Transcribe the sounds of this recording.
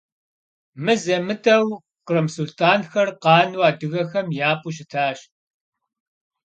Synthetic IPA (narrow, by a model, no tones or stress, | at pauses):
mɨzɐmɨtʰʼɐw | qəɾɨmsultʰaːnxɐrqɑːnwaːdɨɣɐxɐmjaːpʼuɕ̬ɪtʰaːɕ